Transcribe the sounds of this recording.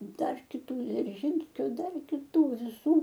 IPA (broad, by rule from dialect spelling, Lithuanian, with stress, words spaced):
ˈdɐr kʲɪˈtuː d͡zʲɪrʲˈʒʲiːnʲsʲkʲoː ˈdɐr kʲɪˈtuː ʋʲɪˈsuː